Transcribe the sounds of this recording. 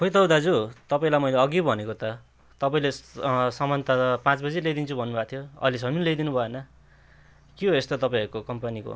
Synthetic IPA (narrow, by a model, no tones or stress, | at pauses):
pʰojt̪ʌwd̪ad͡zut̪ʌpaĩlajmʌjleʌɡibʱʌnekot̪ʌ | t̪ʌpaĩlesʌmʌnt̪at̪ʌpãt͡sbʌd͡zilejd̪int͡sʰubʱʌnːubʱakt̪ʰijoʌ̰lisʌminlejd̪inubʱʌenʌ | kiɦoest̪ot̪ʌpaĩʌɾukokʌmpaniko̰